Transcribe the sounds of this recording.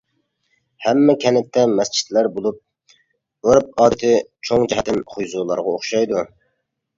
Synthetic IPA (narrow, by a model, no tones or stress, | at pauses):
hɛmːɛkʲʰɛnɪt̪ʰːɛmɛst͡ʃʰi̥t̪læɾbolˠup̚ | øɾp̚ɑːd̪ɨt̪ʰɪt͡ʃʰoŋd͡ʒɛhɛt̪ːɪnχʰʊjzuːlˠɑ̰ɾʁɑoχʃɑjd̪u